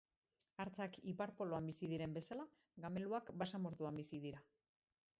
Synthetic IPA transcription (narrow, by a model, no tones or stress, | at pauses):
aɾt͡sakipaɾpo̞loambisið̞iɾe̞mbe̞sala | ɡame̞luakbasamo̞ɾt̪uambisið̞iɾa